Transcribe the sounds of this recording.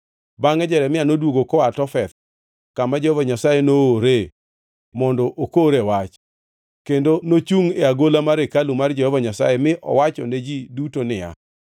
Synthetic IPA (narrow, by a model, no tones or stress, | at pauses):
baŋɛd͡ʒɛɾɛmɪanodwoɡokɔatɔfɛt̪ | kamad͡ʒɔhɔvɔɲasajenooɾe | mɔndɔʔokoɾewat͡ʃ | kendonot͡ʃuŋeaɡolamaɾekalumard͡ʒhɔvɔɲasa̰jemɪʔɔ̰wat͡ʃɔ̰ned͡ʒidutonɪja̰